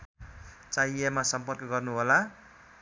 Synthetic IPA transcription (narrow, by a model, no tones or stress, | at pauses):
t͡sajamasʌmpʌrkʌɡʌrnuɦola